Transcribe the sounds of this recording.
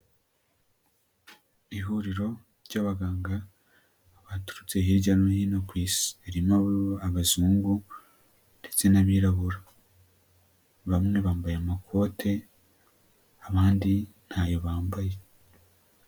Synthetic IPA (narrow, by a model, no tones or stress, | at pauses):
iɦuɾiɾo̞ | ɾɟaβaɡaːŋɡa | βatu̥ɾut͡se̞ɦiɾɟanohinokwiːsi̥eɾimaβaβazuːŋɡu | nde̞t͡se̞naβiːɾaβuɾa | βamŋe̞βaːmbajaamakʰo̞ːtʰe̞ | aβaːndin̥hajo̞βaːmbaje̞